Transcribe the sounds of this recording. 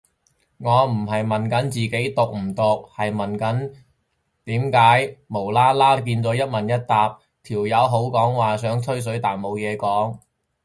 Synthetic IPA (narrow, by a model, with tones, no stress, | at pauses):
ŋɔː˨˧m̩˨˩ɦɐ˨jmɐ˨˩nkɐ˨˥nt͡siː˨ke˨˥jt̪ʊ˨k̚m̩˨˩t̪ʊ˨k̚hɐ˨jmɐ˨nkɐ˨˥n | t̪iː˨˥mkaː˨˥jmo˨˩wlaː˥laː˥k̬iː˧nt͡sɔː˨˥jɐ˥t̚mɐ˨˩njɐ˥t̚t̪aː˨p̚ | t̪ʰiː˨˩wjɐ˨˧wɦo˨˥wkɔː˨˥ŋwaː˨sœː˨˥ŋt̪ʰɵ˥ɥs̬ɵ˨˥ɥt̪aː˨˩nmo˨˧wjɛː˨˧kɔː˨˥ŋ